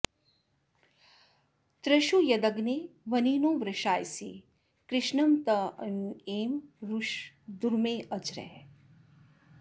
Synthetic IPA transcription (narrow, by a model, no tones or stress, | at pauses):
t̪ɾɐʃujɐd̪ɐɡneʋɐniːnoːʋɾɐʃaːjsḭ | kɾɪʃnɐmt̪ɐneːmɾuʃ | d̪uɾmeːʔɐd͡ʒɾɛ̰ː